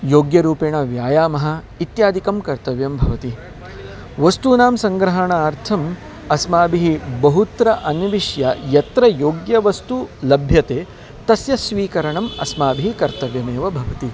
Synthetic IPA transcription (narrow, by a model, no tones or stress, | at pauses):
joːɡjɐɾuːpeːɳɐʋjaːjaːmɐɦɐ̆ | it̪jaːd̪ʱikɐmkɐɾt̪ɐʋjɐmbʱɐʋɐt̪i | ʋɐst̪unaːmsɐŋɡɾɐɦɐɳɐaːɾt̪ʰɐm | ɐsmaːbiɦibɐɦut̪ɾɐʔɐnɐʋiʃjɐjɐt̪ɾɐjoːɡjɐʋɐst̪ulɐbʱjɐt̪eː | t̪ɐsjɐsʋiːkɐɾɐɳɐmɐ̰smaːbiɦikɐɾt̪ɐʋjɐmeːʋɐbʱɐʋɐt̪i